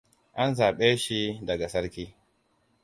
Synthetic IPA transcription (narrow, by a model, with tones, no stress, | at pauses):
ʔa˦nzaː˨ɓeː˦ʃi˦dɐ˨ɡa˨sɐ˦ɾkʲiː˦